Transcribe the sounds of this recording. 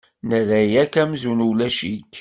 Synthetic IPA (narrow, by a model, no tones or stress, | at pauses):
nəðæjækæmzunulæʃik